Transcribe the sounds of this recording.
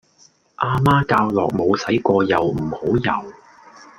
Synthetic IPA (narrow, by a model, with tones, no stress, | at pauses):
ʔaː˧maː˥kaː˧wlɔː˨k̚mo˨˧wsɐ˨˥jkʷɔː˧jɐ˨˩wm̩˨˩ho˨˥wjɐ̰˨˩w